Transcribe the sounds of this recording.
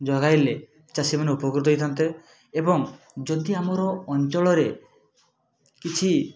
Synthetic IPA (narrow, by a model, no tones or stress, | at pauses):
d͡ʒɔɡajle | t͡ʃasimaneupɔɡɾut̪̬ɔɦjt̪ʰɔnt̪e | ebɔŋ | d͡ʒɔd̪iamɔɾɔːnt͡ʃɔɭɔɾe | kit͡ʃʰi